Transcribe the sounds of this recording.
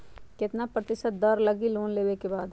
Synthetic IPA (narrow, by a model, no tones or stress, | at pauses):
kɪt̪napɾɐt̪ɪʃət̪̚d̪ɐɾlɐɡiloːnleːwekebaːd̪